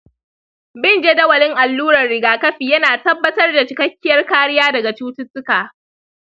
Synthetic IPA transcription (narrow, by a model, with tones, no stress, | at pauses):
bɪ˦nd͡ʒe˦dɐ˦wɐ˨lɪ˦ŋʔa˨lːuː˦ɾɐ˨rːɪ˨ɡaː˨kɐ˦ɸiː˨jɐ˦naː˨tɐ˦bːɐ˦tɐ˦rda˨t͡ʃɪ˨kɐ˦kʲːɪ˦jɐ˦rkaː˦ɽɪ˦jaː˦dɐ˨ɡa˨t͡ʃuː˦tʊ˦tːʊ˦kaː˨